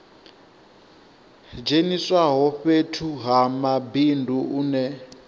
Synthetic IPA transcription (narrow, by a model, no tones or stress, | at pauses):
d͡ʒeniswaɦɔɸetʰuɦamabindʱuuːnɛ